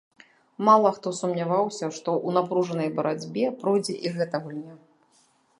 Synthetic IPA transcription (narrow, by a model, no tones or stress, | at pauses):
malˠɐxt̪ɔsumnʲavawsʲɐʂt̪ɔʔunapɾuʐɐnɐjbɐɾad͡zʲbʲɛpɾɔjd͡zʲɛʔiɣɛt̪ɐɣulʲnʲa